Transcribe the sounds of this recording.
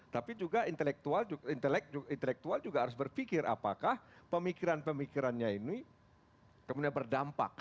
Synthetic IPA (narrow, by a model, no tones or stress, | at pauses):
t̪apid͡ʒuɡaint̪əlɛk̚t̪uald͡ʒuint̪əlɛk̚d͡ʒuint̪əlɛk̚t̪uald͡ʒuɡaɦaɾʊs̬bərfikɪɾʔa̰pakahpəmikiɾanpəmikiɾanɲaini | kəmundɲabərdampa̰k̚